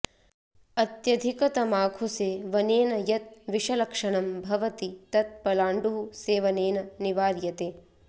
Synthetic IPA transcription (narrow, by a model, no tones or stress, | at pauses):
ɐt̪jɐd̪ʱikɐt̪ɐmaːkʰuseːʋɐneːnɐjɐt̪̚ʋiʃɐlɐkʂɐɳɐmbʱɐʋɐt̪it̪ɐt̪̚pɐlaːɳɖuɦuseːʋɐneːnɐniʋaːɾjɐt̪eː